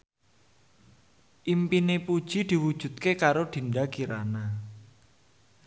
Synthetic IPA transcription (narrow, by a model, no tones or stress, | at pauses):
ʔimpinepud̥ʒ̥i̤d̪̥i̤wud̥ʒ̥ṳt̪̚kekaɾoɖ̪̥i̤nɖakiɾana